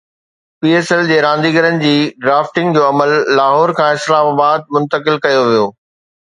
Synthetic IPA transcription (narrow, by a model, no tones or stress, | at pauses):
piːeːsɛld͡ʑeːɾãːnd̪iːɡəɾənɪ̆d͡ʑiːɖɾaːfʈɪ̃ŋɡd͡ʑoːɐməlːaːɦɔːɾkʰãːɪslaːmaːbaːd̪̚mʊ̃nt̪əkɪlkɐjoʋijoː